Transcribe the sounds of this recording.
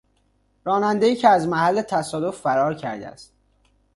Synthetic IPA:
ɾɒːnænd̪e̞jiːcʰeæzmæhælːet̪ʰæsɒːd̪ofːæɾɒːɾcʰæ̰ɾd̪æ̰æ̰st̪̚

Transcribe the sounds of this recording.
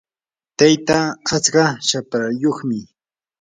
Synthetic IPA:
t̪ajt̪aːt͡skɑʃapɾajoχmɪ

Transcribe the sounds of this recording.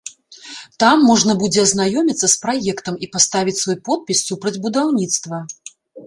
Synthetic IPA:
t̪amːɔʐnɐbud͡zʲɛɐznajɔmʲit̪sːɐspɾajɛkt̪ɐmipast̪avʲit͡sʲsvɔjpɔt̪̚pʲisːupɾɐd͡zʲbud̪awnʲit̪st̪vɐ

